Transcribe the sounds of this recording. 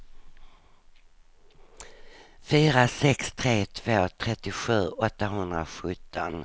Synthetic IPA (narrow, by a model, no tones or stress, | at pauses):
fyːɾasɛkst̪ʰɾeːt̪ʰv̥oːt̪ʰɾɛt̪ːɪɧʉ̟ːɔt̪ːaɦɵnd̪ɾa̰ɧɵt̪ʰːɔ̰n